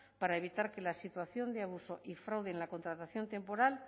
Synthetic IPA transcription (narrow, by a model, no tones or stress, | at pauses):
paɾaeβ̞it̪aɾke̞lasit̪waθjo̞nd̪eaβ̞uso̞ʔifɾawðenlako̞nt̪ɾat̪aθjo̞nt̪e̞mpo̞ɾal